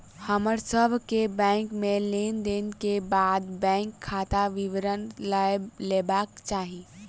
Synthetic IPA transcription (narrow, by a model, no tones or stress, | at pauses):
həməɾsəbʱkebɛ̃ːŋkmẽleːnd̪eːnkebaːd̪bɛ̃ːŋkʰːaːt̪aʋɪʋɾən | leːbaːkt͡ʃaːɦi